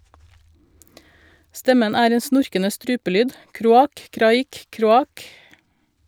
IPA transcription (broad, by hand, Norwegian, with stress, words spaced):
ˈstɛmən ˈæːɾ ˈeːn ˈsnʊɾkənə ˈstɾʉːpəˌlyːd ˈkɾuːˌɑːk ˈkɾɑːˌiːk ˈkɾuːˌɑːk